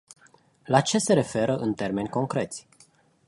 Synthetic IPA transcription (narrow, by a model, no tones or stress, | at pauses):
lat͡ʃe̞se̞ɾe̞fe̞ɾəʔɨnt̪e̞rme̞nʲko̞ŋkɾe̞t̪sʲ